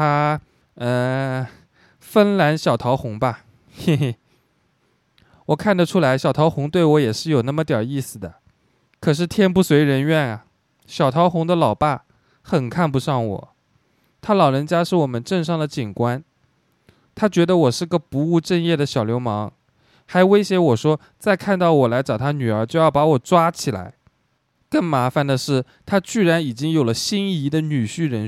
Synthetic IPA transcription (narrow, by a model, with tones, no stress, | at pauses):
t̪ʰa˥ | ə˧˩ | fə˥nla˧˥nɕjɑ˨˩ʊt̪ʰɑ˧˥ʊxʊ˧˥ŋbɐ˧ | wɔ˨˩kʰa˥˩nd̪ə˩ʈ͡ʂʰu˥la˧˥ɪɕjɑ˨˩ʊt̪ʰɑ˧˥ʊxʊ˧˥ŋt̪we˥˩ɪwɔ˧˥jɛ˨˩ʂɻ̩˥˩jo˨˩ʊna˥˩mə˩t̪jɑ˞˨˩i˥˩sɹ̩˨˩d̪ə˩ | kʰɤ˨˩ʂ̬ɻ̩˥˩t̪ʰjɛ˥npu˥˩swe˧˥ɪɻə˧˥nɥɛ˥˩nɐ˩ | ɕjɑ˨˩ʊt̪ʰɑ˧˥ʊxʊ˧˥ŋd̪ə˧lɑ˨˩ʊpa˥˩ | xə˨˩nkʰa˥˩npu˧˥ʂɑ˥˩ŋwɔ̰˨˩˦ | t̪ʰa˥lɑ˨˩ʊɻə˧˥nt͡ɕja˥ʂɻ̩˥˩wɔ˨˩mə˦nʈ͡ʂə˥˧ŋʂɑ˥˩ŋd̪ə˩t͡ɕi˨˩nkwa˥n | t̪ʰa˥t͡ɕɥɛ˧˥d̪ə˧wɔ˨˩ʂɻ̩˥˩ɡə˧pu˧˥u˥˧ʈ͡ʂə˥˧njɛ˥˩d̪ə˩ɕjɑ˨˩ʊljo˧˥ʊmɑ˧˥ŋ | xa˧˥ɪwe˥ɪɕjɛ˧˥wɔ˨˩ʂwɔ˥ | t͡sa˥˧ɪkʰa˥˧nt̪ɑ˥˩ʊwɔ˨˩la˧˥ɪʈ͡ʂɑ˨˩ʊt̪ʰa˥ny˨˩ə˞˧˥t͡ɕjʊjɑ˥˩ʊpa˧˥wɔ˨˩ʈ͡ʂwa˥t͡ɕʰi˨˩la̰˧˥ɪ | kə˥˩ŋma˧˥fa˧˩nd̪ə˩ʂɻ̩˥˩ | t̪ʰa˥t͡ɕy˥˩ɻa˧˥ni˨˩t͡ɕi˥ŋjo˨˩ʊlə˦ɕi˥ni˥˩i˧˥d̪ə˨ny˨˩ɕy˥˩ɻə˧˥n